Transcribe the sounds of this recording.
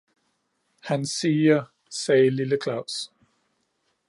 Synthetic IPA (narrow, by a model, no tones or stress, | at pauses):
hænsiːɐ | sɛːliləkʰlɑ̈ʊs